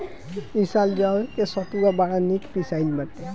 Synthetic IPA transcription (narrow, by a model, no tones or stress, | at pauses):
isald͡ʒawkɛsɔpuɡabaɹanikpisajlmatːɛ